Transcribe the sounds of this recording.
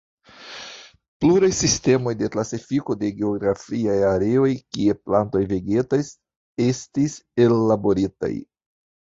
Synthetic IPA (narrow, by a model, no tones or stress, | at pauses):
pluɾajsiste̞mo̞jde̞klasifiko̞de̞ɡe̞o̞ɡɾafiajaɾe̞o̞jkie̞planto̞jve̞ɡe̞tajs | e̞stise̞lːabo̞ɾita̰j